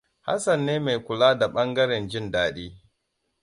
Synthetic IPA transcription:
ha̰˦sɐ˨nːeː˦ma˨jkʷʊ˨laː˦da˨ɓɐ˦ŋɡɐ˦ɾɛ˨nd͡ʒɪ˦ndaː˨ɗiː˦

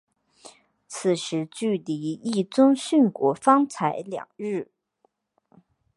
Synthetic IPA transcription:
t͡s̩ʰ˨˩ʂɻ̩˧˥t͡ɕy˥˩li˧˥i˥˩t͡sʊ˥ŋɕy˥˩nkwɔ˧˥fɑ˥ŋt͡sʰa˧˥ɪljɑ̰˨˩ŋɻɻ̩˥˩

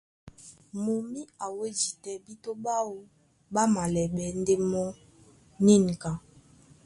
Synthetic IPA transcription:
mo˨mi˦a˨we˦zi˨tɛ˨bi˦to˦ɓa˦wo˨ | ba˦ma˨lɛ˨ɓɛ˨n˦de˦mɔ˦ | ni˦˨ŋ˨ka˨

